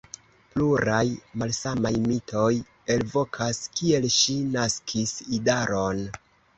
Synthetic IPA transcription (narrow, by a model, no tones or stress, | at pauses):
pluɾajmalsamajmitʰo̞j | e̞lvo̞kʰaskie̞lʃinaskʰisidaɾo̞n